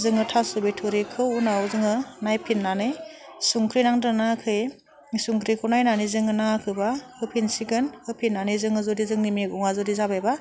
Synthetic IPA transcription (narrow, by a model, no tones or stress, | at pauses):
zɯŋɯtʰasɯbejtʰoɾikʰɯunaozɯŋɯnajpʰinːanɯj | suŋkʰɾinaŋdɯnakʰɯj | suŋkʰɾikʰɯnajnanizɯŋɯnakʰɯbaɯpʰinsiɡɯnɯpʰinːanizɯŋɯzodizɯŋnimeɡɔŋazodizabajba